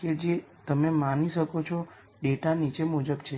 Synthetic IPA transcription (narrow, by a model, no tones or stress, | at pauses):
ked͡ʒet̪əmemaniʃəkot͡ʃʰo | ɖeʈanit͡ʃemud͡ʒəbt͡ʃʰe